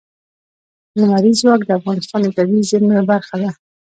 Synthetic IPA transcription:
nʊmaɾizwɑkd̪əafɣɑnɪst̪ɑnd̪ət̪awizənabaɾxad̪a

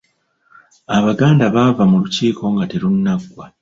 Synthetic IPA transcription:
aβaɡaːndaβavamuluciːko̞ŋɡateɾunːaɡwa

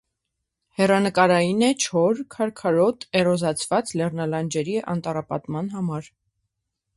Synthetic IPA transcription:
hɛrɑnəkɑɾɑjinɛt͡ʃʰɔɾkʰɑɾkʰɑɾɔt̪ɛrɔzɑt͡sʰvɑt͡slɛrnɑlɑnd͡ʒɛɾiʔɑ̰nt̪ɑrɑpɑ̰t̪mɑnɦɑmɑɾ

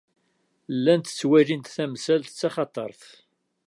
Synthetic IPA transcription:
lːænt̪ə̥t͡sːwæɾint̪θæmsælθə̥t͡sːɑχɑt̪ˤɑ̰ɾˤθ

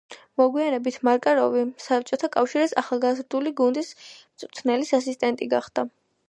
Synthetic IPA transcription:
mɔɡwianɛbit̪ʰmaɾkʼaɾɔvisap̚t͡ʃʼɔt̪ʰakʼafʃiɾisaχalˠɡazɾd̪uliɡund̪ismt̪sʼt̪ʰnɛlisasist̪ʼɛnt̪ʼiɡaχd̪̥a

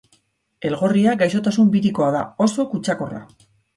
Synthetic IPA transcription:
e̞lɣo̞riaɡajso̞t̪asumbiɾiko̞aðao̞so̞kut͡ʃako̞ra̰

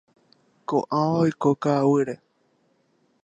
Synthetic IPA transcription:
kõ̰ʔãaojkokaːwɨɾe

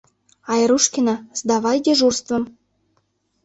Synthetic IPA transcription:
ɑjɾuʃkʲinɑzd̪ɑβɑjd̪ʲeʒurst̪və̆m

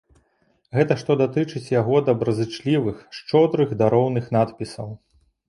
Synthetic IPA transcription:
ɣɛt̪ɐʂt̪ɔd̪at̪ɨt͡ʂɨt͡sʲjaɣɔd̪ɐbɾɐzɨt͡ʂlʲivɨxʂt͡ʂɔd̪ɾɨɣd̪aɾɔwnɨxn̪at̪pʲisɐw

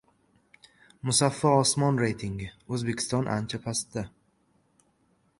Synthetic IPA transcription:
mʊsafːɒɒsmɒnɾejt̪ʰiŋɡɪɵzbe̞kʲʰɪ̥st̪ɒnʔa̰nt͡ʃʰapʰast̪d̪a

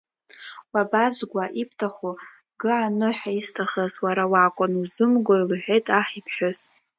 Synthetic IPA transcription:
wabazʷɡʷaʔipʰtʰaχu | ɡɨʕanɨħaistʰaχazwaɾawakʷʼʊnuzɨmɡʷoilħʷᶣejtʼaχipʰħʷᶣoz̥

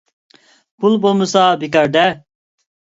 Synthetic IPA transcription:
pʰulbolmusaːbikɐɾd̪ɛ

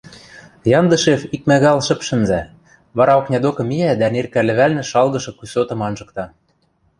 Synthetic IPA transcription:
jɑnd̪ɤ̆ʃefik̚mæɣɑlʃɘ̆pʃɘ̆nzæ | βɑɾɑoknʲɑd̪okɤ̆miæd̪ænerkælɘ̆βælnɘ̆ʃɑlɣɤ̆ʃɤ̆kusot̪ɤ̆mɑnʒɤ̆k̚t̪ɑ

